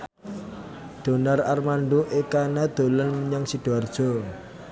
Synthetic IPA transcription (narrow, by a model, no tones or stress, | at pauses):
d̪̥o̤nararmaɳɖoʔekanad̪̥o̤lənmɲaŋsiɖ̥uard̥ʒ̥ɔ̤